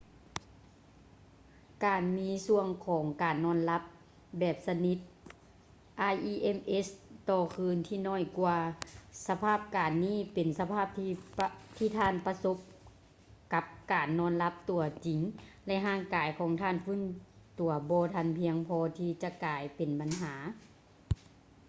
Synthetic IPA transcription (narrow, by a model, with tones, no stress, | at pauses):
kaː˨˩nmiː˧˥su˧əŋkʰɔː˨˦ŋkaː˨nːɔː˧˥˨nla˧˦˥p̚ | bɛː˧˩p̚sa˧ni˧˥t̪̚ | ʔaː˧˩jʔiː˧˩ʔe˧˥˨mʔe˧˥st̪ɔː˧˩kʰɯː˧˥nt̪ʰiː˧˩nɔː˧˩˨jkwaː˧sa˧pʰaː˥˩p̚kaː˨˩nːiː˧˥˨pe˨˩nsa˧pʰaː˧˥˩p̚ːt̪ʰiː˧˩t̪ʰaː˧˥˨npa˧so˧˥p̚ | ka˧˦p̚kaː˨˩nːɔː˧˥˨nla˧˦˥p̚t̪u˨˩ɐt͡ɕi˨ŋlɛ˧ʔɦaː˧˩˨ŋkaː˨˩jkʰɔː˨˦ŋt̪ʰaː˧˥˨nfɯ˧˥˨n | t̪u˨˩ɐbɔː˧˦t̪ʰa˧˩˨npʰi˧əŋpʰɔː˧t̪ʰiː˧t͡ɕa˧kaː˨jpe˨nba˨˩nɦaː˩˦